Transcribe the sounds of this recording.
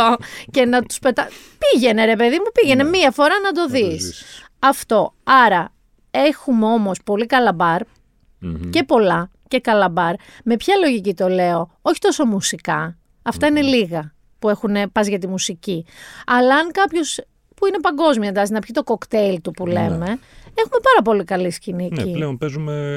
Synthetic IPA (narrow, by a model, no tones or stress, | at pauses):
oce̞nɐt̪u̥spe̞t̪ɐ | piʝe̞ne̞ɾe̞pe̞ðimupiʝe̞ne̞miɐfo̞ɾɐnɐd̪o̞ðis | ɐft̪o̞ɐɾɐ | e̞xumeo̞mo̞spo̞likɐlɐbɐɾ | ce̞po̞lɐ | ce̞kɐlɐbɐɾme̞pçɐlo̞ʝicit̪o̞le̞o̞ | o̞çi̥t̪o̞so̞musikɐ | ɐft̪ɐine̞liɣɐ | pue̞xune̞pɐzʝɐt̪imusiciɐlɐɐŋkɐpço̞s | puine̞pɐŋɡo̞zmiɐend̪ɐksinɐpçit̪o̞ko̞kt̪eilt̪upule̞̰me̞exume̞pɐɾɐp̬o̞likɐliscinieilleonpezume